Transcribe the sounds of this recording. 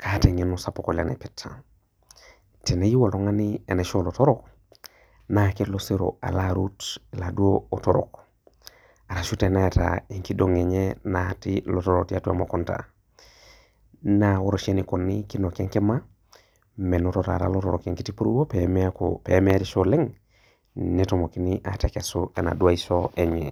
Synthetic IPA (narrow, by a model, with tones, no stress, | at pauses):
kʰate˨ɲenusapo˨ko˨le˨nḛ˨pitʰːa̰˨ | ti˨ne˨ji˦wo˨loŋa˦nie˨neʃo˦lo˨to˦ɾok | na˨kilose˦ɾo̰a̰˨laɾutladu˦oo˨toɾo̰˨k | a˨ɾa˨ʃute˨naeta̰iŋki˦doŋe˨ɲenatilotoɾoti˦atu˦a̰˦mo˨konta̰˨ | nawo˦ɾoʃe˦niko˨nːikino˨ke˦ŋke˦ma˦ | me˨notota̰ɾa̰lotoɾoke˨ŋki˦ti˦pu˦ɾṵ˦wo˦pe˨mi˦ako̰pe˨a˦me˦a˦tisole˦ŋ | netomo˨ki˦niʔa˨ta˨kesoe˨na̰˨du˦a˦isoeɲḛ˨